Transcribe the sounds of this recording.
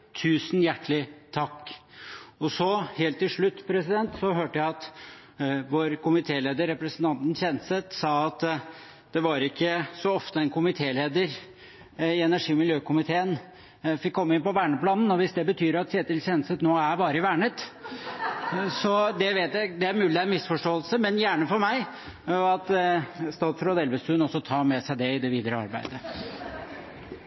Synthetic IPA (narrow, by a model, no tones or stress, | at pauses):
t̪ʰʉːsnjæʈːlɪt̪ʰɑkː | ɔsɔheːlt̪ːɪlʂɭʉt̪ːpʰɾɛsɪd̪ɛnt̪sɔɦøːʈəjæɪɑt̪ | ʋoːɾkʊmɪt̪ʰeːleːd̪əɾːɛpɾəsənt̪ʰɑnt̪n̩ɕɛnsət̪sɑːɑt̪ | d̪̥ɛʋɑɾɪkːəsɔɔft̪əɛnkʰʊmɪt̪ʰeːleːd̪əɾ | ɪɛnæʂiːmɪljøːkʊmɪt̪ʰeːən | fɪkkːɔmːəɪnpɔʋæːɳəplɑːnn̩ɔʋɪsd̪ɛbət̪ʰyːɾɑt̪sɛːt̪ɪlɕɛnsət̪noːæɾbɑːɾəɪʋæːɳət̪ | sɔd̪ɛʋeːt̪jæɪɡd̪ɛæɾmʉːlɪæmɪsfɔʂʈoːəlsəmɛnjæːɳəfɔɾmæɪ | ɑt̪st̪ɑːt̪fɾod̪ɛlʋəst̪ʉnɔsɔt̪ʰɑːmɛsæɪd̪ɛɪd̪ɛʋiːd̪əɾəɑ̰ɾbæ̰ɪd̪ə